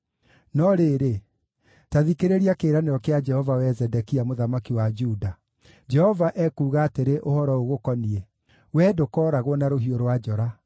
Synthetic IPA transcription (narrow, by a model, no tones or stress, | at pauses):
nɔɾeɾe | taðikeɾeɾiakeːɾaneɾɔkead͡ʒɛhɔvawɛzɛdɛkiamoðamakiwad͡ʒuda | d͡ʒɛhɔvaʔɛkuːɣaːteɾeʔohɔɾɔoɣokɔniɛ | wɛːdokɔːɾaɣwɔnaɾoɦioɾowad͡ʒɔɾa